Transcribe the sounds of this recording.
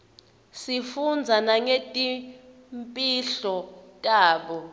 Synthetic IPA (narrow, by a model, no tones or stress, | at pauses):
sifund͡zʱanaŋetʼi | mpʼiɬɔtʼaːɓɔ